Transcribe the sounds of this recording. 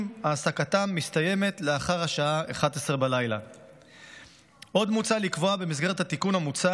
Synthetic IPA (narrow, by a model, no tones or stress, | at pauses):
maːsakat̪amːist̪aje̞me̞t̪le̞aχaʁhaʃaaeχat̪esʁebalajla̰ | ʔo̞d̪mut͡salikvo̞abe̞misɡe̞et̪hat̪ikunamut͡sa